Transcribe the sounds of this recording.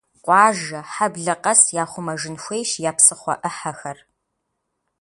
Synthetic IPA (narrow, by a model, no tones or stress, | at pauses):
qʷɑːʒɐħabɮɐqɐsjaːχʷʊmɐʒɨnxʷejʃjaːpsɨχʷɔ̰ʔɨħɐxɐr